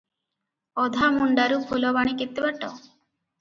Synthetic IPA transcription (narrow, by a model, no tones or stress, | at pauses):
ɔd̪ʱamuɳɖaɾupʰulɔbaɽ̃ikit̪ːibaʈɔ